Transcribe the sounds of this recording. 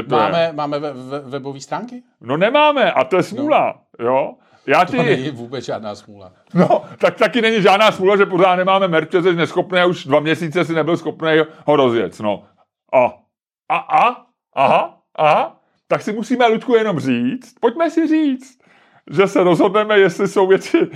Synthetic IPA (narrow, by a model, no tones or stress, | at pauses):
ɛt̪ojjɛ̰mɛmaːmɛɛvɛboviːst̪ɾaːŋkɪ | no̞nɛmaːmɛʔat̪o̞jɛsmuːla̰ | jo̞ | jaːt̪ɪɲɪvuːbɛt͡sʒaːdnaːsmuːla̰ | not̪ak̚t̪akɪnɛɲɪʒaːdnaːsmuːlaʒɛp̬ozaːt̪nɛmaːmɛmɛɾt͡ʃɛzɛʃnɛsxo̞pnɛːuʒdvamɲɛsiːt͡sɛs̬ɪnɛbɪlsxo̞pnɛjɦo̞ɾo̞zjɛ̰t͡st̪no̞̰ | ʔa | aʔa | ʔaɦ | ʔa | t̪aksɪmusiːmɛluckujɛno̞mriːt͡st̪̚po̞c̚mɛsɪriːt͡st̪ | ʒɛsɛɾo̞zɦo̞dnɛmɛjɛst̪lɪso̞wvjɛt͡sɪ